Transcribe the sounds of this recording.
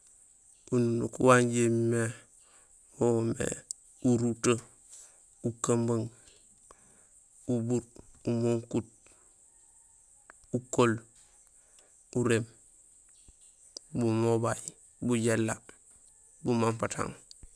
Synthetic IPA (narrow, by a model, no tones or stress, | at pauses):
ununṵkṵwanɟemime | womḛ | uɾuto | ukambaŋ | ubuɾumoŋkut̚ | ukol | uɾem | bumobaj | buɟelːa | bumampatʰa̰ŋ